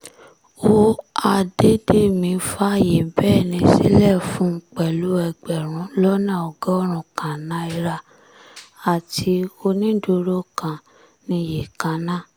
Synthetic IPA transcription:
o˦a˧de˦de˦˨mĩ˨˧˦fa˦˨je˨bɛː˦˨nĩ˧˦sḭ˦lɛ˦˨fũ˦k͡pɛ˨lu˨˦ɛ˧˨ɡ͡bɛ˨ɾ̃ũ˨˦lɔ˦nã˦˨ɔ˨ɡɔ˦ɔ˦ɾ̃ũ˨kã˨nã˨˦i˧ɾa˧ | a˨tʰi˧o˧nĩ˦do˧ɾo˦kã˨ | nĩ˧je˨kã˨nã˦

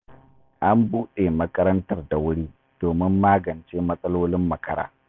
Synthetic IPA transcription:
ʔa˦mbuː˦ɗe˨mɐ˦kɐ˦ɾɐ˦ntɐ˦rda˨wʊ˦ɽiː˦ | d̥oː˨mɪ˦mːaː˦ɡɐ˨nt͡ʃeː˦mɐ˦sʼɐ˦loː˦lɪ˦mːɐ˨kʰɐ˦ɾa̰ː˨

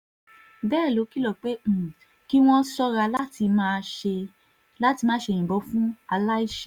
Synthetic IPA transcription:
bɛː˦˨lo˨˦ki˦˨lɔ˦˨k͡pe˦˨ | ki˦w̃ɔ̃˦sɔ˦ɾa˧la˦ti˧mãː˦˧ʃe˧ | la˦ti˧mãː˦ʃẽ˧˨ĩ˨bɔ˨˧˦fũ˦a˧la˦i˦˨ʃɛ˨

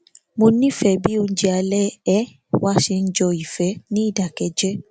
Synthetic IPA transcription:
mõ˧nĩ˦fɛ˨bi˨˦o˧n̩˦d͡ʒɛ˧a˧lɛ˦ɛ˦ | wa˦ʃe˧n̩˦d͡ʒɔ˧i˨fɛ˨˦nĩ˦i˦˨da˨kɛ˧˦d͡ʒɛ˦

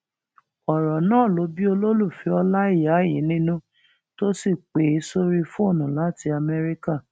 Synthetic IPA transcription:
ɔ˨ɾɔ˨nãː˦˨lo˨˧˦bi˦o˧lo˦lu˦˨fi˧˦ɔ˧la˦i˦˨ja˨˦jĩ˨˦nĩ˦nũ˦ | to˦si˦˨k͡pe˨˦i˧˦so˦ɾi˦fũ˦o˦˨nũ˨la˨˦˨ti˧a˧mɛ˧ɾi˦ka˦˨

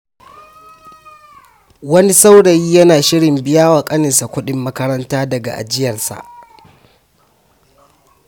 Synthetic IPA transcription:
wɐ˦ni˦sa˦wɽɐ˨jiː˦jɐ˦naː˨ʃɪ˦ɽɪ˨mbɪ˦jaː˦waː˨kʼɐ˦nɪ˨sa˨kʷʊ˦ɗɪ˦mːɐ˦kɐ˦ɾɐ˦ntaː˦dɐ˨ɡa̰˨ʔa̰˨d͡ʒɪ˦jɐ˨rsa̰˨ʔ

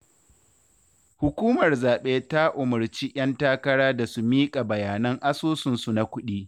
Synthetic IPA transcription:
hʊ˨kʷuː˦mɐ˨rzaː˨ɓeː˦ta˦ʔʊ˨mɐ˨rt͡ʃi˦ʔʲj̰ɐ˦ntaː˦kɐ˦ɽaː˦da˨su˦miː˦kʼa˨bɐ˨jaː˨nɐ˦ŋʔa˦soː˦sɪ˨nsu˨na˦kʷʊ˦ɗiː˦

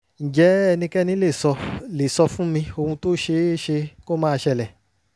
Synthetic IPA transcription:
n̩˨d͡ʒɛ˨˦ɛ˧nĩ˧kɛ˦nĩ˨˦le˦˨sɔ˧le˨sɔ˧fũ˦mĩ˧o˧hũ˧to˦ʃe˧˦ʃe˧ko˦mãː˦˧ʃɛ˧˨lɛ˨

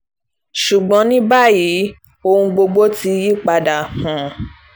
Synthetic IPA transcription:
ʃu˨ɡ͡bɔ̃˨˦nĩ˦ba˦ji˨˦ | o˧hũ˧ɡ͡bo˧ɡ͡bo˦ti˧˦ji˦k͡pa˧da˨hã˨

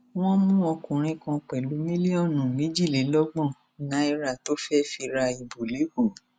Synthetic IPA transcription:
w̃ɔ̃˦mũ˦ɔ˧kũ˨ɾ̃ĩ˧kã˧k͡pɛ˨lu˨˦mĩ˦li˦ɔ̃˦˨nũ˨mĩ˦d͡ʒi˦˨le˨˦lɔ˦ɡ͡bɔ̃˦˨ | nã˨˦i˧ɾa˦˨to˨˦fɛ˦fi˧ɾa˧i˨bo˨le˨˦ɡu˨

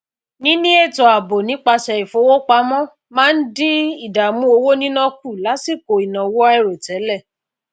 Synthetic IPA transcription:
nĩ˦nĩ˦e˦˨tɔ˨a˨bo˨nĩ˨˦k͡pa˧ʃɛ˧i˨fo˨˦wo˦k͡pa˧mɔ̃˦ | mãː˦n̩˦dĩ˦i˦˨da˨mũ˦o˧wo˦nĩ˦nɔ̃˦k̚u˦˨la˨˦si˦˨ko˨i˨nã˨wo˦a˦ɛ˦˨ɾe˨tɛ˨˦lɛ˦˨

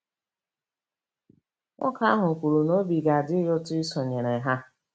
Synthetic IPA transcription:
ŋʊ̰˦ka˦a˦ɦʊ˨kʷu˨ɾu˨no˦bi˨ɡa˨dɪ˦jʊ˦tʊ˦i˦sɔ˨ɲe˨ɾe˨ɦa˦

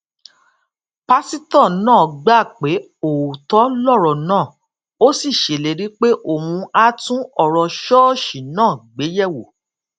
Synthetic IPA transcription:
pa˦si˦tɔ̃˦˨nãː˦˨ɡ͡ba˦˨k͡pe˨˦ | o˨u˨tɔ˦lɔ˦˨ɾɔ˨nãː˦˨ | o˦si˦˨ʃe˨le˨˦ɾi˦k͡pe˦ʔo˦˨mũ˧a˦tũ˦ɔ˦˨ɾɔ˧ʃɔ˦ʃi˨nãː˦˨ɡ͡be˨˦jɛ˦˨wo˨

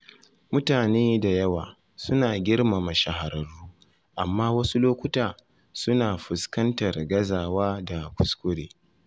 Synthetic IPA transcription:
mʊ˦taː˨neː˦da˨jɐ˦waː˨ | sʊ˦naː˨ɡʲɪ˦rma˨ma˨ʃa˨ɦa˨ɾɐ˨ɽuː˦ | ʔa˨mːaː˦wɐ˦su˦loː˦kʷʊ˦taː˨ | sʊ˦naː˨ɸʊ˨skɐ˦ntɐ˨rɡɐ˦zaː˨waː˦da˨kʷʊ˨˦skʷʊ˦ɽeː˨

